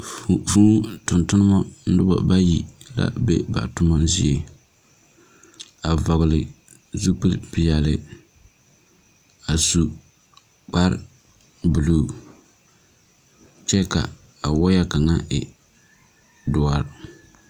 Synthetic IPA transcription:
ffu˦tʊ˨ntʊ˦nɨ˦mɔ˦n̩˦dʊ˦bɔ̰˨ba˦ji˨la̰˦bḛ˦ba̰˨tʊ˦mɔ˦n˦zḭ˦e˨ | a˨vɔ˨ɣlɪ˨ | zu˦pɨ˦lpɪ˦ja˨lɪ˨ | a˨su˨ | k͡pa˦ɾ | bu˨luː˨ | t͡ʃɛ˦ka̰˨ | a˨wɔ˦ja˦ka˨ŋa˦ʔɪ˨ | dʊ˨˦a˦ɾ

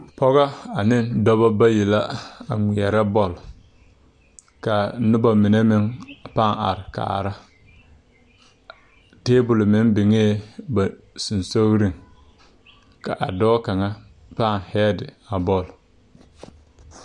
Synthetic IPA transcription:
pɔ˦ɣa˦a˨nɪ˦ndɔ˦ba˦ba˦ji˨la˦a˨ŋʷi˨ɛ˨ɾa˦bɔ˦˨l | ka˨˦nʊ˦ba˨mɪ˨ne˦mɪ˦ŋpa˦˨a̰˨ɾɪ˨ka̰ː˨ɾa˦ | teː˦bʊ˨lmɪ˦nbɪ˨ŋeː˦˨ba˨ | su˨nso˦ɣɾɪ˦ŋ | ka˨ʔa̰˨dɔ˦ka˨ŋa˦ | pa˦˨ŋhɛ˦dɪ˨a˨bɔ˦˨l

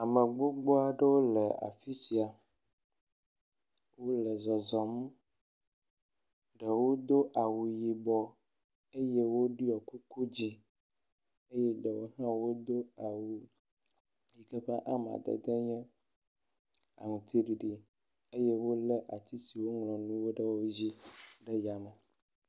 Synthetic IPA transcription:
a˨mɛ̃˨ɡ͡bo˦ɡ͡bɔ˦a˨ɖe˦wo˦lɛ˨a̰˨fi˦si˨a˨ | wo˦lɛ˨zɔ˨zɔ˨m˦ | ɖe˨wo˦d̪o˦ʔa˨wu˨ji˨bɔ˨ | e˦jɛ˦wo˦ɖi˦ɔ˨ku˦ku˦d͡ʑi˦ | e˦jɛ˦ɖə˨wo˦ɦã˦wo˦d̪o˦a˨wu˨ | ji˨kə˦ɸa˦ʔa˨m˨a̰˨d̪ə̰˨d̪ə˦ɲɛ̃˦ | a̰˨ŋũ˨t̪ʰi˨ɖi˨ɖi˨ | e˦je˦wo˦lə˦ʔa˨t̪i˦si˨wo˦ŋlɔ̃˨nũ˦wo˦ɖə˦wo˦d͡ʑi˦ɖə˦ja˨mə˨

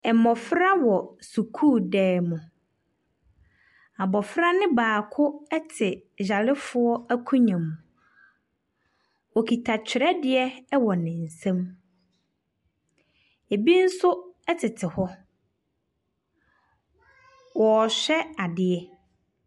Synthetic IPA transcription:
ɛ˨mɔ˨fɾa˦wɔ˨su˨kʰuː˦˨dɛː˨˦mʊ̃˨ | a˨bɔ˨fɾa˦nɪ̃˦baː˨kʰʊ˦ɛ˦tʰɪ˨d͡ʑa˨lɪ˦fʊ˦ɔ˦æ˦kʰũ˦ɲã˨mũ˨ | ɔ˨kʰi˨tʰa˨t͡ɕʰᶣɪ˨ɾɛ˦dɪ˦˨ɛ˦wɔ˨nɪ̃˨n̩˨sã˦m | e˨bi˦n̩˦sʊ˦ɛ˦tʰɪ˨tʰɪ˨hɔ˦ | wɔ˨ɕᶣɛ˦a˨dɪ˨ɛ˦

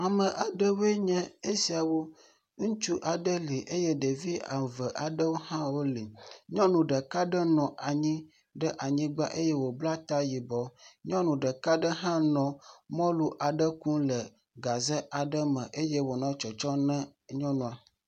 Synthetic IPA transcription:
a˨mə̃˨ʔa˨ɖə˦we˦ɲɛ̃˦e˦si˨a˨wo˦ | ŋũ˦t͡ʃu˦ʔa˨ɖə˦li˨ʔe˦je˦ɖe˨vi˦a̰˨və˨ʔa˨ɖə˦wo˦hã˦wo˦li˨ɲɔ̃˦nũ˨ɖə˨ka˦ɖə˦nɔ̃˨ʔa˨ɲĩ˦ | ɖə˦ʔa˨ɲĩ˦ɡ͡ba˦ʔe˦je˦wo˨bla˦t̪a˦ji˨bɔ˨ɲɔ̃˦nũ˨ɖə˨ka˦ɖə˦ɦã˦nɔ̃˨mɔ̃˦lu˦ʔa˨ɖə˦kũ˦lə˨ | ɡa˨zə˦ʔa˨ɖə˦mə̃˨ʔe˦je˦wo˨nã˦t͡ʃɔ˨t͡ʃɔ˦nɛ̃˦ɲɔ̃˦nũ˨a˨

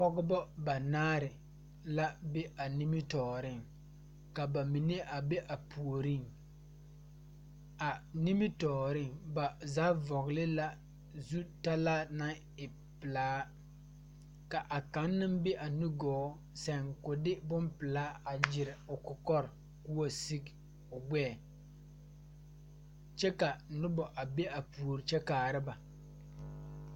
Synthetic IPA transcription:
pɔ˦ɡʊ˦bɔ˦ba˨naː˦ɾɪ˨ | la˦be˦ʔa˨ni˦mɪ˦tɔː˨ɾɪ˦˨ŋ | ka˨ba˨mi˨ne˦ʔa˨be˦ʔa˨pʰu˨o˨ɾi˦ŋ | a˨ni˦mɪ˦tɔː˨ɾɪ˦ŋba˨zaː˦vɔ˨ɣlɪ˦la˦ | zu˦ta˦la˦na˦ŋ | ɪ˨ | pɪ˨laː˦ | ka˨ʔa˨ka˨˦nːɨ˦mbe˦ʔa˨nu˦ɡɔː˨˦ | sɛ˨ŋkʊ˨dɪ˦bʊ˦mpɪ˨laː˦a˨d͡ʒɪ˨ɾɪ˨ʊ˨kʊ˨kɔ˦ɾ | kʊ˦wa˦si˦k | ʊ˨ɡ͡bɛː˦˨ | t͡ʃɛ˦ka˨nʊ˦bɔ˨ʔa˨be˦a˨pu˨o˨ɾɪ˨t͡ʃɛ˦kaː˨ɾɪ˦ba˨

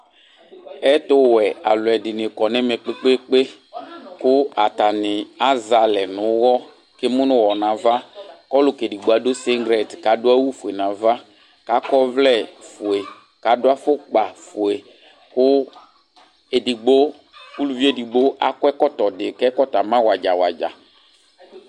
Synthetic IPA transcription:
ɛ˦tʊ˦wɛ˨a̰˨lʊ˨ɛ˨dɪ˨n˨ɪ˨kɔ˨nɛ˦mɛ˨k͡pe˦k͡pe˦k͡pe˦ | kʊ˦a˨ta˨nɪ˨a˨za˨lɛ˨nʊ̃˨˦wɔ˦ | ke˦mʊ̃˦nʊ̃˦wɔ˨nã˨va˦kɔ˦lʊ˨ke˨di˨ɡ͡bo˨˦a˨˦do˦sɪ˦ŋɡɾɛ˨tka˨dʊ˦a˦wu˦fu˨e˨nã˨va˦ | ka˨˦kɔ˦vlɛ˦˨fʊ˨e˨ | ka˨˦dʊ˦a˦fʊ˦k͡pa˨fʊ˨e˨ | kʊ˦ | e˨di˨ɡ͡bo˦ | ku˦lu˦vi˦e˦˨di˨ɡ͡bo˦ʔa̰˦kwɛ˦kɔ˦tkɔ˨dɪ˨kɛ˦kɔ˦ta˨mã˦wa˨d͡ʒa˨wa˨d͡ʒa̰˨

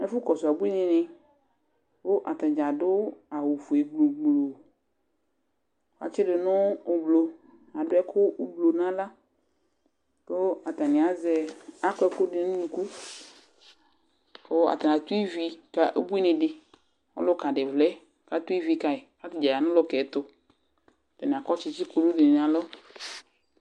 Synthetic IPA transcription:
ɛ˦fʊ˦kɔ˨sʊ˨a˨bu˦i˦nɪ̃˨nɪ̃˨ | wo˦ʔa˨t̪a˨d͡ʒa˨dʊ˦a˨wu˨fo˨i˨ɡ͡blo˨ɡ͡bllo˨ | wa̰˨t͡ʃɪ˦ɖɪ˨nɔ̃ː˦˨blo˨ | a˨dʊ˦ɛ˦kʰʊ˦blo˨nã˦la˦ | to˦a˨t̪a˨nɪ̃˨a˨zɛ˨a˦kɛ˦ko˦ɖe˨nũ˦nũ˨ku˦ | o˦a̰˨t̪a˨nã˨t̪u˦i˦vi˨ka˨ʔe˦bu˦i˦nẽ˨ɖɪ˨ | wo̰˦lʊ˦ka˨ɖe˨vlɛ˦ | ka˨t̪u˦i˦vi˨ka˨e˨ka˦t̪i˨d͡ʒa˨ja˨nʊ̃˦lɔ˦kɛ˨˦t̪ʊ˦ | a˨t̪a˨nĩ˨a˨kɔ˦t͡ʃɪ˦t͡ɕi˦ko˨lu˦de˨n˨n˨ã˨lɔ˦

